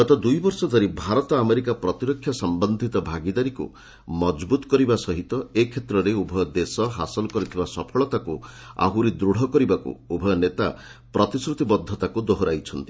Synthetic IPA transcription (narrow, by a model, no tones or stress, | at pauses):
ɡɔt̪ɔd̪ujbɔɾsɔd̪ʱaɾibʱaɾɔt̪ɔameɾikapɾɔt̪iɾɔkʰːjɔsɔmbɔnd̪ʱit̪ɔbʱaɡid̪aɾikṵ | mɔd͡ʒbut̪ɔ̥kɔɾibasɔɦit̪ɔekʰet̪ɾɔɾeubʱɔjɔd̪esɔɦa̰sɔlɔkɔɾit̪ʰibasɔpʰɔɭɔt̪akua̰ɦuɾid̪ɾuɽ̤ɔkɔɾibakṵubʱɔjnet̪apɾɔt̪isɾut̪ibɔd̪ʱːɔt̪akud̪oɦɔɾajt͡ʃʰɔnt̪i̥